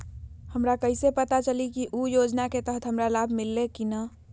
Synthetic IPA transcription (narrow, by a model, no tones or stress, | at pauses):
həmɾakəɪsepət̪at͡ʃəlikiʔujoːd͡ʒnaket̪əɦət̪ɦəmɾalabʱmɪlːekinə